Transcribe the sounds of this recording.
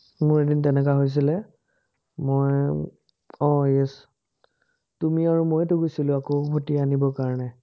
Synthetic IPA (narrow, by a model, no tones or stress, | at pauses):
mʊɹedintɛnɛkaɦojs̬ilɛ | moj | ɔ̃jɛs | tumiaɹumojtʊɡojsilʊ̃akoʊbʱotianibɔkaɹɔnɛ